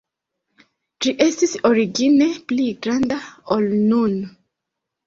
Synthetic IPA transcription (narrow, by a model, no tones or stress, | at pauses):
d͡ʒiʔe̞stisoɾiɡine̞pliɡɾandaolnun